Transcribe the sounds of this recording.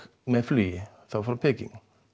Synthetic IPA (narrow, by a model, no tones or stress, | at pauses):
mɛflyː | θafɾapʰɛkɪ̰ŋ